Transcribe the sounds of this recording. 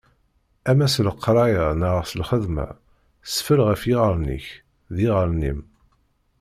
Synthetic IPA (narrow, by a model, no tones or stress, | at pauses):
æmæsləqːɾˤɑjanəʁəʁsəlχəðmæ̰ | sfəlʁæfjɪʁəɾˤnḭç | ðiʁəɾˤnḭm